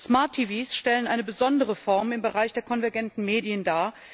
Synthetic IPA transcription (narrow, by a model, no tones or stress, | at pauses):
smaɐtʰːiːviːsʃtɛlənʔaɪnəbəzɔndəʁ̞əfɔɐmɪmbəʁaɪçd̥eːɐkʰɔnvɛɐɡɛntn̩meːdiəndaː